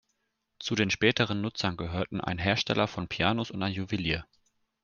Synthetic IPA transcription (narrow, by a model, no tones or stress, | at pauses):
t͡sudeːnʃpɛːtəʁ̞ənːʊt͡sɐnɡəɦøːɐtn̩ʔa̰ɪnɦeːɐʃtɛ̰lʔɐfɔnpʰiaːnosʊntaɪnjuviliːɐ